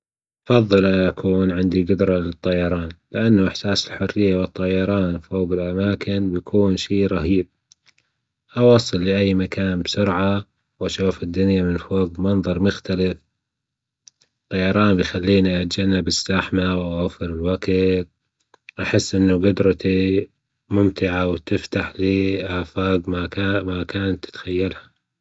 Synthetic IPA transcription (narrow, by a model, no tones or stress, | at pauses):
ʔɑfɑðˤːɨlʔanʔakʰuːnʕɪnd̪iɡʊd̪ɾˤɑlɨt̪ˤːɑjɑɾˤɑːnlɪʔanːuʔɪħsaːsɪlħʊrːɪjːawɨt̪ˤːɑjɑɾˤɑːnfoːɣɪlʔamaːkɪnbjakʰuːnʃiːɾˤɑɦiːb̚ | ʔɑwɑsˤːɨlːiʔajːmakaːnbsʊɾʕa | wʔaʃuːfɪd̪ːʊnjamɪnfoːɡmɑnðˤɑɾˤmʊxt̪alɪf | t̪ːˤɑjɑɾˤɑːnbjxalːiːniʔat̪d͡ʒanːabɪsːaħmawʔawafɪɾɪlwaɡit̪ | ʔaħɪsːʔɪnːuɡʊd̪ɾˤɑt̪i | mʊmt̪ɪʕawt̪ɪft̪aħliːʔaːfaːɡmamakaːnt̪ːt̪xajːalhḁ